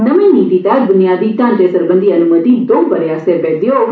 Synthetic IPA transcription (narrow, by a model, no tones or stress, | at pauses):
nɐmĩnit̪it̪ad͡ʒbʊnjaːd̪it̪ãːnd͡ʒesəɾbənd̪ʱiɐnuməd̪id̪ompəɾjaːseɾped̪jo